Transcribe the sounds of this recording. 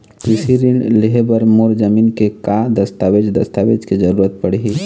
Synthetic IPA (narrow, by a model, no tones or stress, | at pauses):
kɾisiɾiɳleɦebəɾmoɾd͡ʒəminkekad̪əst̪aʋed͡ʒd̪əst̪aʋed͡ʒked͡ʒəɾuɾət̪̚pəɽɦi